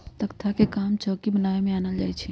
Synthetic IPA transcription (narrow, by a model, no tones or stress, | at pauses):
t̪əkt̪ʰakekamt͡ʃɔːkibənaemẽanəld͡ʒaːjt͡ʃʰɛ